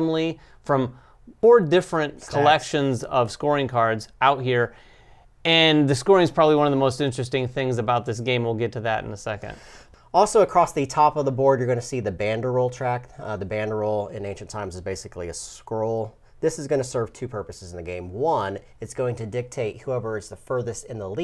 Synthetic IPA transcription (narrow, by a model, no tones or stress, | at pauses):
mli | fɹʌ̃m | fɔɹdɪfɹɨ̃nkʰəllɛkʃɨ̃nzʌv̥skɔɹɪ̃ŋkʰɑɹdzaʊt̚hiɹ | ɨ̃nðɨskɔɹɪ̃ŋz̥pʰɹ̥ɑbəbliwʌ̃nʌvðəmoʊstɪ̃nt͡ʃɹ̥ɨstɪ̃ŋθɪ̃ŋzɨbaʊt̪̚ðɪs̬ɡ̥ẽɪ̃mwəlˠɡɛtʰɨðɨɾɨ̰̃n̩əsɛkɨ̰̃nd̥ | ɔlˠsoʊəkʰɹ̥ɔsðɨtʰɑpʌvðəbɔɹd̚jə˞ɡʌnɨsiðɨbæ̃ndə˞oʊlˠtʰɹ̥æk̚ðɨbæ̃ndə˞oʊlˠɪ̰̃nẽɪ̃nʃn̩tʰãɪ̃mzəzbeɪsɨkliɨskoʊlˠ | ðɪsɨzɡʌnɨsɜ˞v̥tʰʉpʰɜ˞pɨsɨzn̩ðɨɡẽɪ̃mwʌ̃n | ɨtsɡ̥oʊɪ̃ŋtʰɨdɪk̚tʰeɪt̚huɛvə˞ɨz̥ðəfɜ˞ðɨstɨ̃nðəli